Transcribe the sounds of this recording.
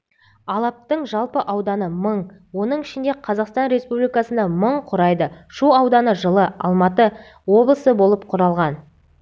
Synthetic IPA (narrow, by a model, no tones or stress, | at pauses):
ɑlˠɑp̚t̪əɴʒɑlˠpəʔɑwd̪ɑnəməɴ | wo̞nəɴɪʃɪnd̪e̞qʰɑzɑqst̪ɑnɾe̞spublijkɑsənd̪ɑməɴqʰʊɾɑjd̪əʃuɑwd̪ɑnəʒəlˠəɑ̰lˠmɑt̪ə | wo̞blˠəsəbo̞lˠəp̚qʰʊɾɑlˠʁɑn